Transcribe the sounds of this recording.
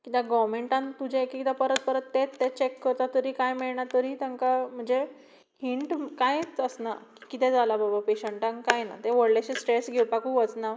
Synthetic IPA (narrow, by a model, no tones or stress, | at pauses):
kit̪jaɡɔʋmeɳʈãnt̪ud͡ʑʱẽekikit̪ɛpəɾət̪̚pəɾət̪ːɛt̪ːɛt͡ɕekːəɾt̪at̪əɾiːkajmiɭɳat̪əɾiːt̪ãŋkam̤əɳd͡ze | hiɳʈkãjt͡səsnaki̥kit̪ɛ̃d͡zalababapeɕəɳʈãŋkajna̰t̪ɛ̃ʋəɽleɕẽsʈɾesɡʱewɽpakũʋət͡sna